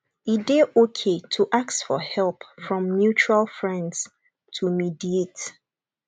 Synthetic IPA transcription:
ideokʰetʰuʔak̚tfɔhɛlpfɹɔ̃mnjut͡ʃɹalfɹɛ̃nds | tʰumidiet

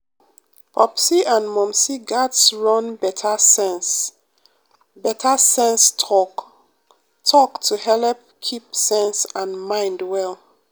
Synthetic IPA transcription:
pʰɔpsiʔãnmɔ̃msiɡatsɹɔ̃nbɛtʰasɛ̃ns | bɛtʰasɛ̃nstʰɔk | tʰɔktʰuhɛlp̚kʰipsɛ̃nsãnmãɪ̃ndwɛl

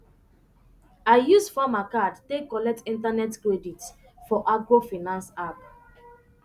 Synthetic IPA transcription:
aɪjusfamakadtekɔlɛk̚tĩntanɛtkɹedit | fɔʔaɡɹofinãnsap

